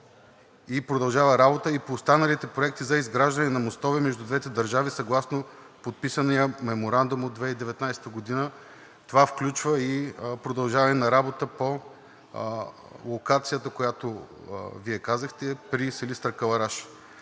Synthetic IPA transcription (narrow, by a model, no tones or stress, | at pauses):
ipɾod̪ɐlˠʒavəɾabot̪əipoːst̪anəlit̪ɛpɾoɛk̚t̪izɐizɡɾaʒd̪ɐnɛnɐmost̪ɔvimɛʒd̪ud̪vɛt̪ɛd̪ɐɾʒavisɐɡlˠasno | pot̪̚pisənijəmɛmoɾand̪umod̪vɛid̪ɛvɛt̪najsɛ̥t̪əɡod̪inə | t̪ovafklʲut͡ʃvəipɾod̪ɐlˠʒavəɛnɐɾabot̪əpo | lˠokat̪sijət̪əkojat̪oviɛkazəxt̪ɛpɾisəlist̪ɾəɾkəlˠɐɾaʃ